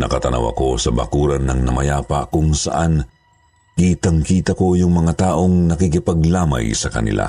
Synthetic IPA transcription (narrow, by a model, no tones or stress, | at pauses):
nɐkɐt̪ɐnɐ̰wɐ̰ko̞sɐbɐ̰kuːɾɐnːɐŋnɐmɐjaːpɐ̰kʊŋsɐ̰ʔan | kit̪ɐŋkiːt̪ɐko̞jʊŋmɐŋat̪aːʔo̞ŋnɐkikɪpɐɡ̚laːmɐ̰jsɐkɐnɪ̰lʔa̰